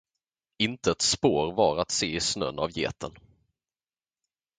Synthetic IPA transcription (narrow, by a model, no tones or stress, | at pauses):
ɪnt̪əɛt̪spoːɾvɑɾat̪seːɪsnœ̰na̰vjḛːt̪ʰən